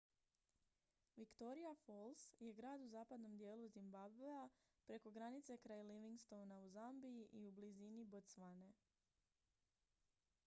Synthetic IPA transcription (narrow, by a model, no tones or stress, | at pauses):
ʋikt̪o̞ɾijafolˠsje̞ɡɾaːd̪uzaːpad̪no̞md̪je̞ːlˠuzimbabvea | pɾe̞ko̞ɡɾanit̪se̞kɾaːjliʋiŋɡst̪o̞wnauzambiiʔiublizinibot̪sʋane